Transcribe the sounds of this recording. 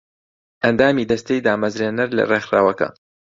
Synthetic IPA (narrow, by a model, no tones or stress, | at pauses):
ʔɐnd̪aːmiːd̪ɐst̪ejd̪aːmɐzɾeːnɨɾlɐ̰reːxɾa̰ːwɐkɐ̰